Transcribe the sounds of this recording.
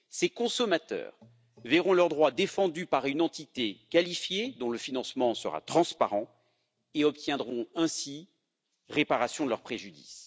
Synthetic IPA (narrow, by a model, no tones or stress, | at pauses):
sekɔ̃sɔmat̪œ̰ːʁ | vɛʁɔ̃lœʁd̪ʁwad̪efɑ̃d̪ypaʁynɑ̃t̪it̪ekalifjed̪ɔ̃ləfinɑ̃smɑ̃sə̰ʁa̰t̪χɑ̃spaʁɑ̃ | eɔpt̪jɛ̃d̪ʁɔ̃ɛ̃si | ʁepaʁasjɔ̃d̪əlœʁpχeʒyd̪ḭs